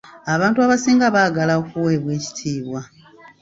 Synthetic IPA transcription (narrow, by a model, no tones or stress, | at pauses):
aβaːntuaβasiːŋɡaβaɡalaokuwe̞ːβwe̞ːci̥tʰiːβwa